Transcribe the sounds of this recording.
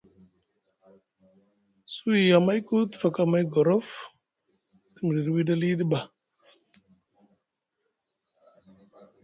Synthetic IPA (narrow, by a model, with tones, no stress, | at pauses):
su˦i˨ja˨ma˦jku˦t̪fa˨ka˨ma˦jɡɔ˨ɾɔ˦f | t̪i˨mi˨di˨ɾwi˦da˦li˦d̪i˦ba˨